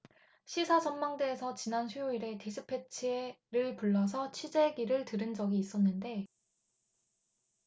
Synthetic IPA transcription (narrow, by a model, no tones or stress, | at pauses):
ɕʰisʰad͡ʑʌnmːaŋdeːsʰʌt͡ɕinanɕʰɥioiɾe̞teɕʰɯpʰːe̞t͡ɕʰieɾɯɭpuɭːʌs̬ʰʌt͡ɕʰid͡ʑe̞ɡiɾɯɭtɯɾɯnd͡ʑʌɡiːs͈ʌnːɯnde̞